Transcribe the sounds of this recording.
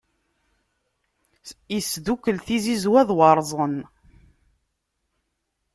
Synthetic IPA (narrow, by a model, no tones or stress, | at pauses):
isðukːəlθizizwæðwɑɾˤzˤən